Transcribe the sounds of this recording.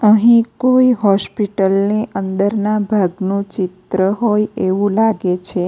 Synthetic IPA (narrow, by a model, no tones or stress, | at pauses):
əɦĩkoiɦɔspiʈəlneʔə̃nd̪əɾnabʱaɡnũt͡ʃɪt̪ɾəɦojeʋũlaɡet͡ʃʰe